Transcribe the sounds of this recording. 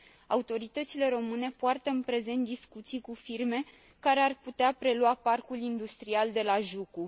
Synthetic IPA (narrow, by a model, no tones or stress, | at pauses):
aut̪o̞ɾit̪ət̪sile̞ɾo̞mɨne̞poart̪əɨnpɾe̞ze̞nt̪̚d̪iskut̪sijkufirme̞ | kaɾe̞arput̪eapɾe̞luaparkulind̪ust̪ɾiald̪e̞laʒuku